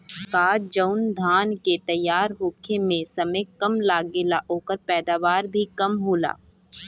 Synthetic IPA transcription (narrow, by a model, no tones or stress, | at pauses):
kaːd͡ʒɐʊnd̪ʱaːnket̪ɐjːaːɾɦoːkʰemẽsɐmejkɐmlaːɡelaʔoːkəɾpɛːd̪aːʋaːɾbʱikɐmɦoːla̰ː